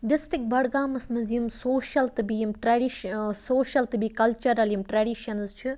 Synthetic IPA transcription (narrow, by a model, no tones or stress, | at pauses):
ɖɪsʈɾɪk̚bɐɽɡaːmɐsmɨzimsoːʃɐlt̪ɨbijimʈɾaːɖiʃsoːʃɐlt̪ɨbiːkɐlt͡ʃɐɾɐljimʈɾɐːɖiʃɐnzt͡ʃʰi